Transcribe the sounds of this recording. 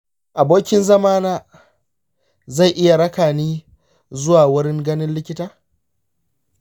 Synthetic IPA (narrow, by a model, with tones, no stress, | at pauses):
ʔa˨boː˦kʲɪ˦nzɐ˦maː˦naː˦ | za˦˨jʔɪ˦ja˨ɽɐ˦kaː˨niː˦ | zʊ˦waː˨wʊ˦ɽɪ˦ŋɡɐ˦nɪ˦nlɪ˦kʲɪ˦taː˦